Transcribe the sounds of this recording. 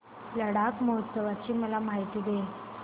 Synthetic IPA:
ləɽakməɦət̪səʋat͡ɕiːməlamaɦit̪iːd̪e

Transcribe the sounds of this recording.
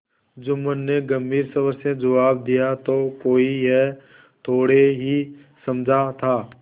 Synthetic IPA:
d͡ʒoːmənːeɡəmbʱiːɾsəʋəɾsẽd͡ʒəʋaːb̚d̪ijat̪okoːiɦɛ | t̪ʰoːɽeɦi | sɐmd͡ʒʱat̪ʰaː

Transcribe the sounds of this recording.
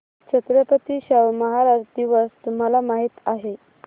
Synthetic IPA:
t͡ɕʰət̪ɾəpət̪iɕəʋməɦaɾad͡ʑd̪iʋəst̪um̤alamaɦiːt̪aɦe

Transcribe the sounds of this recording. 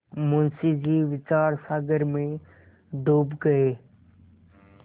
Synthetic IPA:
mʊnsiːd͡ʒiːʋɪt͡ʃaːɾsaːɡəɾmẽ | d̪oːbɡəeː

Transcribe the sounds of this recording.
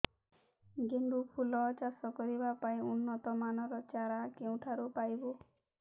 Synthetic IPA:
ɡenɖupʰulɔt͡ʃasɔkɔɾibapaĩunːɔt̪ɔmanɔɾɔt͡ʃaɾakeũʈʰaɾupajbɔ

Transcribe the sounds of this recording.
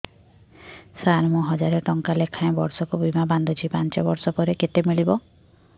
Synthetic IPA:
saɾmũɦɔd͡ʒaɾeʈɔŋkalekʰãẽbɔɾsɔkubimaband̪ɔd͡ʒʰipant͡ʃɔbɔɾsɔpɔɾeket̪emiɭibɔ

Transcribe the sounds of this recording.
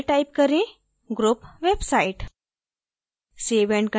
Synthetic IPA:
ʈajp̚kəɾẽ | ɡɾupʋebsaiʈ | seʋeɳʈkə

